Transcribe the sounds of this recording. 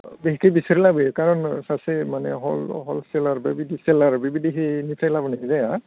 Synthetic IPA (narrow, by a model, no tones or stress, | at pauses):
biɦikejbisaɹilabekaɹɔnsasemanɛɦɔlɦɔlsɛlaɹbabidʱisɛlaɹbibidʱiɦenitʰajlabɔnaɦizaja